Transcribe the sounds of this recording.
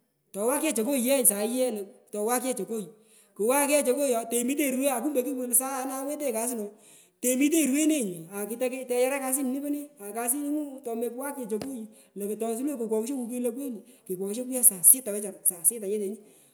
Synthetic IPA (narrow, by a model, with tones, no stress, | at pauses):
tɔ˨˦wa˦kɛ˦t͡ʃo˨ko˦i˨jɛ˦˨sa˨˦jɛ˦le˨tɔ˨wa˦kɛ˦t͡ʃo˨ko˦i˨ | kʊ˨wa˦kɛ˦t͡ʃo˧ko˦jɔ˨˦te˨mi˦t̬e˦˨ɾwe˦a˨ku˦mbe˨˦ki˦wu˦lsa˦˧na˦wɛ˦t̬e˦˨ka˨s̬ɪ˦no˨ | te˨mi˦t̬e˦˨ɾwe˦ne˦˨ɲi˨a˨ki˨˧tɛ˧˦kɛ˦tɛ˧jɛ˦ɾɛ˦ka˧s̬i˦ni˨ni˦be˦ne˦a˨ka˧s̬i˦n˦ŋu˦tɔ˧mɛ˧kwa˦kɛ˨t͡ʃo˨ko˦ji˨ | le˨ktɔ˧˨s̬i˦le˦ko˨kwɔ˨kʃo˦ŋu˨˦k̬i˦le˦k̬e˦ni˨ki˨kwɔ˨kʃe˦ku˦jɛ˦sa˨sɪ˦tːa˨wɛ˦t͡ʃa˨sa˨sɪ˦ta˨ɲɛ˦te˨ɲi˦